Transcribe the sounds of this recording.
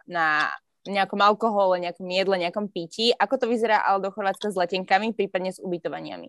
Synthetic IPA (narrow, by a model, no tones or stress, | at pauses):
na | ɲɛakɔmalkɔɦɔlaɲɛakɔmjɛd̪lɛɲɛakɔmpiciʔakɔt̪ɔʋizɛɾaːʔa̰lɛd̪ɔxɔɾʋaːt͡skazlɛcɛŋkamipɾiːpad̪ɲɛzubit̪ɔʋa̰ɲɪa̰mḭ